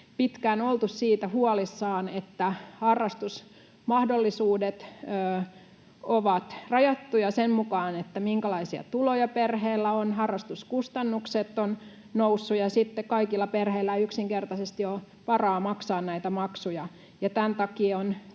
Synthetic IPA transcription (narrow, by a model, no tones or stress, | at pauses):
pit̪kænolt̪ussiːt̪æhuɑlisːɑːnet̪ːæhɑrːɑst̪us | mɑhdolːisuːdet̪øː | oʋɑt̪rɑjɑt̪ːujɑsemmukɑːnet̪ːæmiŋkælɑisiɑ̰t̪ulojɑperheːlːæonhɑrːɑst̪uskust̪ɑnːukset̪ːon | nousːujɑsit̪ːekkɑikilːɑperheilːæyksiŋkert̪ɑsest̪ijo | pɑrɑːmɑksɑːnnæit̪æmɑksujɑ | jɑt̪ænt̪ɑkiːon